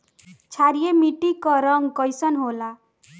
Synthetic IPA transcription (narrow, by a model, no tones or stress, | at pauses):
t͡ʃʰaɾijemiʈikʌɾʌŋɡkʌjsʌnɦola